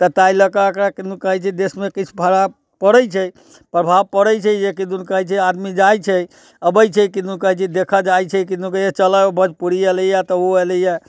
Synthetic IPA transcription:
t̪ət̪ajləkaəkɾakind̪ukəɦɛjt͡ʃʰɛd̪esmekit͡ʃʰupʰəɾa | pəɾəjt͡ʃʰɛj | pɾəbʱab̚pəɾəjt͡ʃʰɛjekid̪unkəɦɛjt͡ʃʰɛad̪mid͡ʒajt͡ʃʰɛj | əbəjt͡ʃʰɛjkind̪unkəɦɛt͡ʃʰid̪ekʰad͡ʒajt͡ʃʰɛkiukəjet͡ʃəlaobəd͡ʒpuɽieləjat̪əoeləja

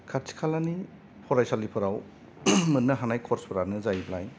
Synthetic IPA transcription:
kʰaɾtʰi̥kʰalani | pʰɔɾajsalipʰɔɾaw | mɯnːɯɦanajkʰɔɾspʰɔɾanɯzajblaj

